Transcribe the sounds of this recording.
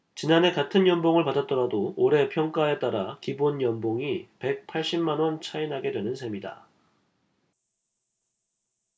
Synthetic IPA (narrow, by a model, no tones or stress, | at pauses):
t͡ɕinanɦe̞katʰɯnjʌnboŋɯɭpadat̚t͈ʌɾadooɾe̞pʰjʌŋk͈ae̞t͈aɾakibonjʌnboŋipe̞k̚pʰaɭɕ͈imːanwʌnt͡ɕʰainɦaɡe̞dwe̞nɯnsʰe̞mida̰